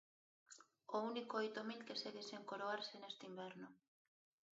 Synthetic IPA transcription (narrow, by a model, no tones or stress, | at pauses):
ounikoojt̪omilkeseɣeseŋkoɾoaɾsenest̪eimbɛɾnʊ